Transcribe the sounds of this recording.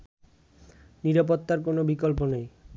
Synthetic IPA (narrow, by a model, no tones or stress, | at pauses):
niɾapot̪ːaɾk̬onobikolponej